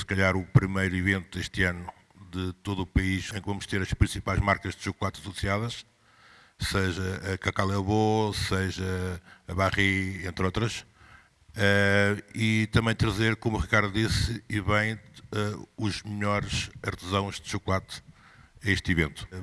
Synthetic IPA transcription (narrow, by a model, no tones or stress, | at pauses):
sɨ̥kɐʎaɾupɾimejɾivẽnt̪uðeʃt̪ɨanu | ðɨt̪oðupɐiʃẽkvɐmʊʃt̪eɾɐʃpɾĩsipajʒmaɾkɐʒðɨʃuklˠat̪ɐsusiaðɐʃ | seʒɐɐkɐkalˠɛlˠβoseʒɐɐβaʁiẽnt̪ɾot̪ɾɐʃ | ɛit̪ɐ̃mɐ̃j̃t̪ɾɐzeɾkomuʁikaɾðuðisiβɐ̃j̃ɛuʒmɨʎɔɾʃɐɾt̪ɨzɐ̃w̃ʒðɨʒukulˠat̪ | ɐeʃt̪ivẽnt̪u̥